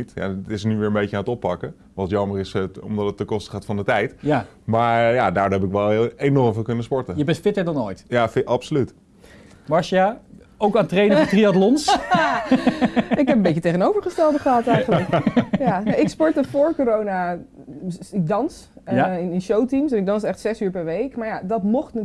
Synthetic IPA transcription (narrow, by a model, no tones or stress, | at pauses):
tja̰tɪsənyʋɪːɹəmbejcəaːnətɔpːɑkə | ʋɑntjɑmərɪsəɔ̰mdɑtət̚ːəkɔstəχaːtfɑndətɛjtja | maːɹjadaːɹdoɦɛpɪkʋɛlˠejnɔɹmvɪlˠkɵnəspɔɹtəjəbɛntfɪtəɹdɑnojtjaʔɑpsolyt | mɑɹʃja | owkaːntrejdəətriɑtlɔns | ɪkɦɛpəmbejcətejənowvəɹχəstɛlˠdəχəɦɑtɛjχəlləkjaɪkspɔɹtəfoːɹkoɾowna | ɪk̚dɑns | ɪnɪnʃowtimsɛnɪɡ̚dɑnsɛχtsɛsyːɹpɛɹʋejkmaɹjadɔtmɔχt